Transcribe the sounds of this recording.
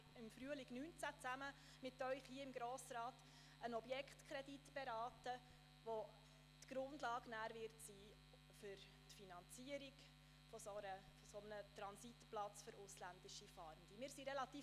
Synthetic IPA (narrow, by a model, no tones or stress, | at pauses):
ɪmfryəlɪɡnyːnt͡sæt͡sæmə | mɪtœʏχhiəɪmɡɾoːsɾɑːt | ənɔbjɛkχtkʰɾɛditb̥ɛɾɑːtə | ʋo | tɡ̥ɾʊndlɑːɡnæːɾvɪɾtsiː | fʏɾ | tfinɑnt͡siəɾiɡ | fɔsoɾəfɔsɔmənətɾɑnsitplɑt͡sføɾʊslænd̥ɪʃifɑːɾnd̥̪imɪːɾsiɾɛlɑtiː